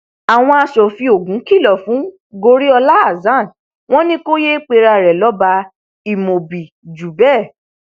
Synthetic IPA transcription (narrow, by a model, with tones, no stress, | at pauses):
a˨w̃ɔ̃˧a˧ʃɔ˨fi˧o˨ɡũ˨˦ki˦˨lɔ˨fũ˨˦ | ɡo˧ɾi˦ɔ˧la˦a˨zã˦˨n | w̃ɔ̃˦nĩ˦ko˦je˦k͡pe˧ɾa˧˨ɾɛ˨lɔ˨˦ba˧ | i˨mo˨bi˨ | d͡ʒu˨bɛ˦˨